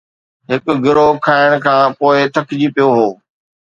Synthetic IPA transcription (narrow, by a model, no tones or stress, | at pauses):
ɦɪkʊɡɪɾokʰaːɪɽ̃kʰãːpoːɪt̪ʰɐkʰd͡ʑipijoɦoː